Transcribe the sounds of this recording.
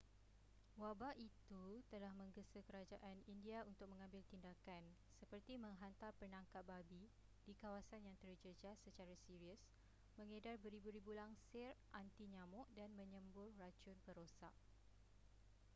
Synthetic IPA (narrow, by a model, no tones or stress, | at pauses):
wabait̪ut̪əlahmə̃ŋɡəsəkəɾad͡ʒaʔanindiaunt̪ʊk̚mə̃ŋãmbɪlt̪indakan | səpərt̪imə̃ŋɦant̪arpənaŋkat̪̚babi | d̥ikawasanjaŋt̪ərd͡ʒəd͡ʒasːət͡ʃaɾasiɾiəs | mə̃ŋədarbəɾibuɾibulaŋsɪrʔant̪iɲãmʊʔdanmə̃ɲə̃mbʊrːat͡ʃʊnpəɾosaʔ